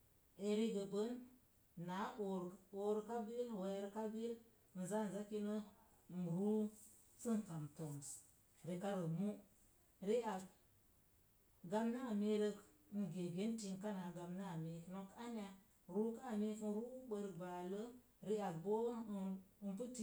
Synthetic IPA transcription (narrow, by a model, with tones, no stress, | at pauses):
e˨ɾi˦ɡə˨bə˦nː | a˨˦ʔo˨ɾo˦ɾka˦bi˦lwe˨˦ɾka˦bi˦l | n̩˨za˦˨n̩˨za˦ki˦nə˦˨ | n̩ɾu˦ | t͡sə˦ŋ˨ka˨mto˨m˨s | ɾi˨ka˦ɾə˨mu˦ | ɾi˦a˨b̚ | ɡa˦mna˦˨me˦ɾə˦k | n̩˨ɡe˨ɡe˦nti˦nka˦na˨ɡa˨mna˦˨me˨no˨ka˦n˦a˨ | ɾu˦ka˦˨me˦n˦ɾu˦bə˨ɾba˨lə˦ | ɾi˦a˨bbo˦˨npə˦ti˦